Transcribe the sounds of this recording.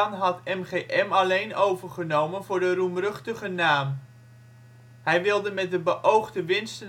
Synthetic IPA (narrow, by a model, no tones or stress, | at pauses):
nɦɑtɛmχeːʔɛmɑlejnowvəɹχənowmənvʊːɹdərumrɵχtəχənaːm | hɛjʋɪlˠdəmɛt̚dəbəʔowχdəʋɪnstən